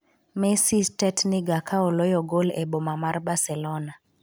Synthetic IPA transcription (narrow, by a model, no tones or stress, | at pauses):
mɛsistɛtnɪɡakʰaɔlɔjɔɡolɛbomamarbasɛlɔna